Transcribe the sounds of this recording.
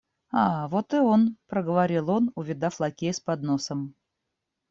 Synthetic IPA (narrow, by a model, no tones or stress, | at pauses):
ɑvot̪ɨonpɾəɡəvaɾʲilˠonʊvʲɪd̪aflˠɐkʲejspɐd̪nosəm